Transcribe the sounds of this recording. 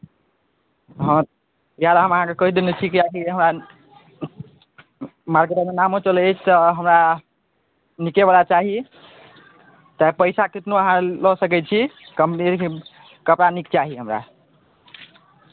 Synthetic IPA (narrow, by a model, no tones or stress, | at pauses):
ɦəɾ | jalaɦəməɦãkekɔɦid̪enet͡ʃʰikakiɦəmɾa | maɾɡɾəmenamɦot͡ʃəlɛt͡ʃʰt̪əɦəmɾa | nikebalat͡ʃaɦi | t̪apəɪsakiʈnuəɦãləɦsəkɛt͡ʃʰikəmpniɾk | kəpɾanikt͡ʃaɦiɦəmɾa̰